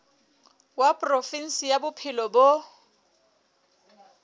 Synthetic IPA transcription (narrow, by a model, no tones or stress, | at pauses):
wapʼrofin̩sijabʊpʰɪlɔbo